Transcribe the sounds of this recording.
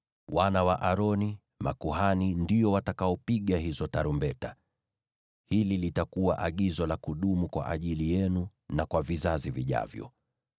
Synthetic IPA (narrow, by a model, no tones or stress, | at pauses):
wanawaʔaɾɔni | makuɦanindijɔwatakaɔpiɠaɦizɔtaɾumbɛta | hililitakuwaʔaɠizɔlakuɗumukwa̰ʔaʄilijɛnu | nakwavizaziviʄa̰vjɔ̰